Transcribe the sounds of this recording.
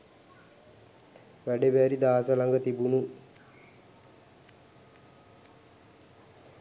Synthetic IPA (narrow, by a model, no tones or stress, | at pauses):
ʋæɖeʋæɾid̪aːsəlaŋɡət̪ibunu